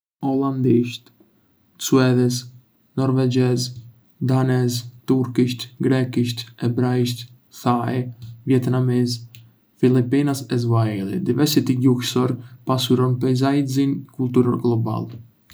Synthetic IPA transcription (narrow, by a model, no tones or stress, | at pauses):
ɔlˠand̪iʃt̪ | suɛðɛs | nɔɾvɛd͡ʒɛz | d̪anɛzt̪uɾkiʃt̪ɡɾɛkiʃt̪ɛbɾaiʃt̪ | θaɛvjɛt̪namiz | filipinasɛzvaɛlḭd̪ivɛɾsit̪iɟuhsɔɾpasuɾɔnpɛjzaj̪zinkulˠt̪uɾɔɾɡlˠɔba̰l